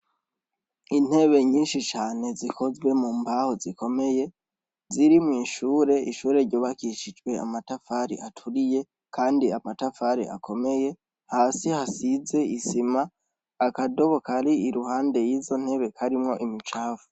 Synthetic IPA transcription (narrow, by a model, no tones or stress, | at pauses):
in̥he̞βe̞ɲiːnʃit͡ʃaːne̞zikʰo̞zwe̞mumbaho̞zikʰo̞me̞je̞ | ziɾimŋiːʃuːɾe̞iʃuːɾe̞ɾɟo̞ːβakiʃid͡ʒɡwe̞a̰matafaɾḭʔatʰuɾije̞ | kʰaːndiamatafaɾḭʔa̰kʰo̞me̞je̞ | haːsihasize̞isimaː | kado̞βo̞kaɾiːɾuhaːnde̞jiːzo̞n̥he̞βe̞kʰaɾimŋo̞ʔimit͡ʃaːvu̥